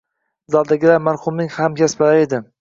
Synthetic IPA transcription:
zalˠd̪aɡʲɪlaɾmaɾhʊmnɪŋhamkʲaspalaɾed̪ɪ

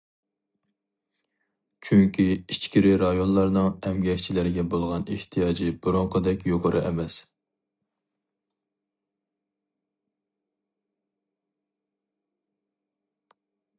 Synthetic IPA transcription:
t͡ʃʰyŋkʲiit͡ʃkʲiɾɪɾɑjonlˠɑɾnɨŋɛmɡʲɛkʲt͡ʃʰilɪɾɪɡʲɛbolˠʁɑneht̪ʰijɑːd͡ʒib̥uɾoŋqʰəd̪ɛkʲjoqʰəɾʔɨʔɛ̰mɛs

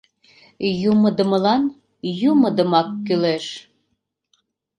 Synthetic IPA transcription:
jumə̆d̪ə̆mə̆lɑn | jumə̆d̪ə̆mɑkːyleʃ

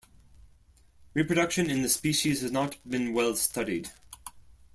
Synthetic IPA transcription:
ɹipʰɹ̥ɨɾʌkʃɨ̃nɨ̃nðɨspiʃiz̥hɨznət̚b̥ɨ̃nwɛlˠstʌɾid̥

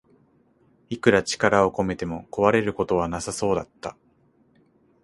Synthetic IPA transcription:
ikɯ̟ɾat͡ɕi̥kaɾao̞ko̞me̞t̪e̞mo̞ko̞βaɾe̞ɾɯ̟ko̞t̪o̞β̞anasaso̞ːd̪at̪ːa

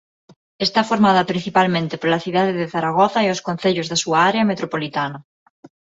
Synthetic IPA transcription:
est̪afoɾmaðapɾin̟θipalmẽnt̪epoɾlaθjuð̞aðeðeθaɾaɣ̞oθaioskon̟θeʎozðasuaaɾeamet̪ɾopolit̪ana

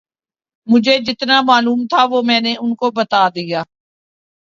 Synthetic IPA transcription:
mʊd͡ʒʱed͡ʒɪt̪namaːluːmt̪ʰaʋomɛ̃ːneʊnkobət̪aːd̪ijaː

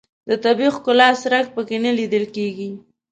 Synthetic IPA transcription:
d̪̥ət̪abixkʊlɑsɾak̚pəkenəlid̪əlkeɡi

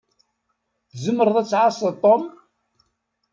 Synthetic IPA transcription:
θzəmːəɾˤəðˤæt͡sːʕasˤəðt̪ˤːom

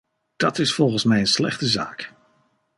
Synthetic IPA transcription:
d̥ɑtɪsfɔlˠχənsmɛjənslɛ̰χtəza̰ːk

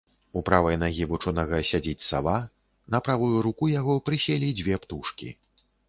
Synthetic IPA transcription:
upɾavɐjnaɣʲivut͡ʂɔnɐɣɐsʲad͡zʲit͡sʲsa̰va | nɐpɾavujuɾukujaɣɔpɾɨsʲɛlʲid͡zʲvʲɛpt̪uʂkʲḭ

